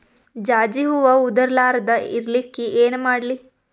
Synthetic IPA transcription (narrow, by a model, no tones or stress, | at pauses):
d͡ʒaːd͡ʒiɦuʋɐud̪ɐɾlaːɾɐd̪ɐḭɾlikːiʔeːnumaːɽli